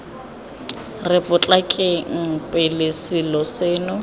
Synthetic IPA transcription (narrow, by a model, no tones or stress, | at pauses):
rɪpʼʊt͡ɬʼakʼɪŋ̩pʼɪlesɪlɔseːnʊ